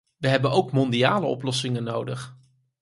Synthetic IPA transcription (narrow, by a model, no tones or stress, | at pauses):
ʋəɦɛbənowkmɔndiaːləɔ̰plɔsɪŋənowdəχ